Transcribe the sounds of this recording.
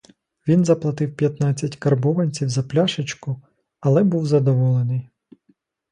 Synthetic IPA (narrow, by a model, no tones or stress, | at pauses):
ʋʲinzɐplˠɐt̪ɪwpʲjɐt̪nɑt͡sʲːɐtʲkɐrbɔʋɐnʲt͡sʲiwzɐplʲaʃɪt͡ʃkʊ | ɐlˠɛbuwzɐd̪ɔʋɔlˠenɪj